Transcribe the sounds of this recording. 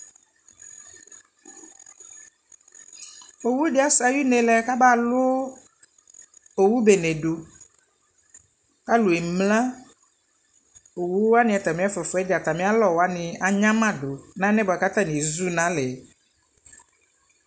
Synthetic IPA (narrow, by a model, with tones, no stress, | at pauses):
o˨wu˦dɪ˨˦a˦sa˨ji˦nɛ̃˨lɛ˦˨˦ka˦ba˦˨lʊ˦ | o˨wu˦be˨nɛ˨ɖo˨ | ka˦lo˨ɛ˨mlã˦ | o˨wu˦wa˦nɪ̃˨a˨t̪a˨mĩ˨˦a˦fɔ˨fɔ˨˦ɛ˦dɛ˨a˨t̪a˨mĩ˦a˦lɔ˨wa˦nɪ̃˨a˨ɲã˦mã˦do˨nã˦nɛ˦bɔ˨a˨ka˦t̪a˦˨nĩ˨zu˦nã˨˦lɛ˨